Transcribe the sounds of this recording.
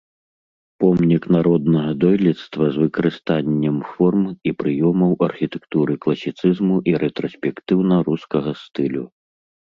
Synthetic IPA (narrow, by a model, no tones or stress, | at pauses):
pɔmnʲiknaɾɔd̪nɐɣɐd̪ɔjlʲit̪st̪vɐzvɨkɐɾɨst̪anʲːɛmfɔrmipɾɨjɔmɐwʔɐrxʲit̪ɛ̥kt̪uɾɨklˠɐsʲit̪sɨzmuʔiɾɛt̪ɾɔsʲpʲɛkt̪ɨwnɐɾuskɐɣɐst̪ɨlʲṵ